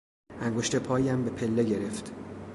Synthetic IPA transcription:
ʔæŋɡo̞ʃt̪e̞pʰɒːjæmbe̞pʰe̞lːe̞ɟe̞ɾe̞ft̪

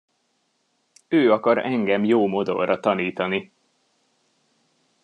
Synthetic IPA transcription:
øːɒkɒɾɛŋɡɛmjoːmo̞d̪o̞̰rɒt̪ɒniːt̪ɒni

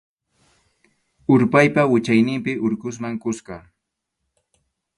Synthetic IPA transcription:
ʊɾpajpawɪt͡ʃajnɪmpɪʔʊɾkʊs̬maŋkʊskɑ

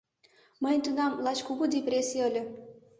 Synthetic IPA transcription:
mənʲt̪unɑmlɑt͡ɕkuɣud̪ʲeprʲesʲijəlʲɤ̆

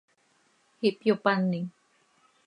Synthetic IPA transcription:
hiʔpjopanːiŋ

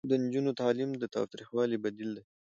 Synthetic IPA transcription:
d̪ənd͡ʒunot̪ɑlimd̪ət̪ɑ̰wt̪ɾixwɑlibad̪ild̪e

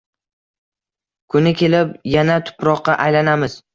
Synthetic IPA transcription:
kʰʊnɪkʲe̞lɪpjanat̪ʰʊ̥pɾɒqːɑʔajlanamɪz̥

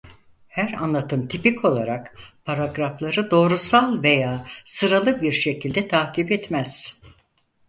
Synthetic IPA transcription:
hæɾa̰nlˠat̪ʰɯmt̪ʰipikʰo̞lˠaɾakpʰaɾaɡɾaflˠaɾɯd̪o̞ːɾusalˠve̞jaːsɯɾalˠɯbiɾʃe̞cʰilʲd̪ɛt̪ʰaːcipɛt̪mæz̥

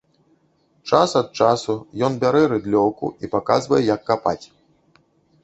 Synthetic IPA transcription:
t͡ʂasɐt̪̚t͡ʂasujɔnbʲaɾɛɾɨd̪lʲɔwkṵipaka̰zvɐjɛjɐkːapa̰t͡sʲ

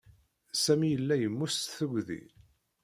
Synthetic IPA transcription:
sæmijəlːæjəmːust̪θəɡðḭ

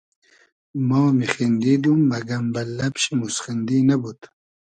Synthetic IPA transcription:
moːmixind̪id̪umːɐɡɐmbɐlːɐpɕimusχind̪inabut̪

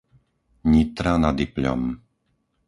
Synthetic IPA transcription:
ɲit̪ɾanad̪ipʎɔ̰m

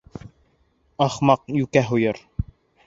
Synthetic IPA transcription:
ɑχmɑq̚jʉkæɦujɤɾ

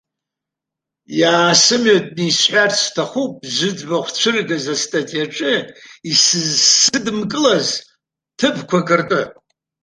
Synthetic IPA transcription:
jaːsɨmatʼnisħʷᶣarstʰaχʷup̚ʼzʷɨd͡zbaχʷt͡ʃʷʰɨrɡazastʰʼatʼijaʈ͡ʂʼɨisɨzsɨdmkʼɨlaz | tʰɨbkʷʰakʼɨrtʼɨ

